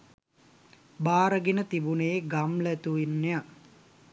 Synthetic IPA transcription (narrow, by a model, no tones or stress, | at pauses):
baːɾəɡinət̪ibunejɡamlət̪uinːeja